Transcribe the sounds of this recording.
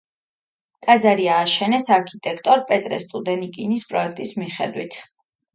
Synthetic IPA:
kʼad̪zaɾiaːʃɛnɛsaɾkʰit̪ʼɛkʰt̪ʼɔɾpʼɛt̪ʼɾɛ̰st̪ʼud̪ɛnikʼinispʼɾɔɛk̚ʰt̪ʼismiχɛd̪wḭt̪ʰ

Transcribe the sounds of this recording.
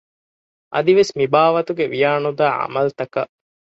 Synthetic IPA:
ʔɐ̰d̪iʋesmibaːʋɐt̪uɡeʋijaːnud̪aːʔɐ̰mɐlt̪ɐkɐʔ

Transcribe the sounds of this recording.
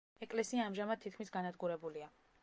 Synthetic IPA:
ɛkʼlɛsiaːmʒamad̪̚t̪ʰːit̪̚ʰkʰmisɡanad̪ɡuɾɛbulia

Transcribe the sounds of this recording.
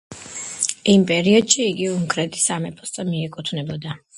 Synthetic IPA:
impʼɛɾiɔd̪̥ʃiːɡiuŋkʼɾɛt̪ʼi̥samɛpʼɔst̪ʼɔmiɛkʼut̪ʰvnɛbɔd̪a

